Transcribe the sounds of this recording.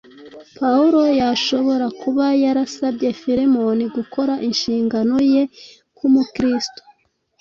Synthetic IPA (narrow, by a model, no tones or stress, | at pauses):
pauɾo̞jaʃo̞βo̞ɾakuβajaɾasabɟe̞fiɾemo̞niɡuko̞ɾaʔinʃiːŋɡano̞je̞ | kumukɾisto̥